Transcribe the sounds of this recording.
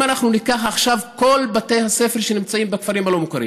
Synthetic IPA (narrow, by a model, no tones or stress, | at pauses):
anaχnunikaχaχʃavko̞lbatejhase̞fe̞ʁʃenimt͡saimbekfaʁimalo̞mukaɾḭ